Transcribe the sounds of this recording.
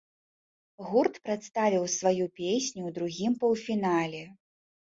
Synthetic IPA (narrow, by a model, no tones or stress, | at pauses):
ɣurt̪pɾat̪st̪avʲiwsvajupʲesʲnʲuwd̪ɾuɣʲimpɐwfʲinalʲɛ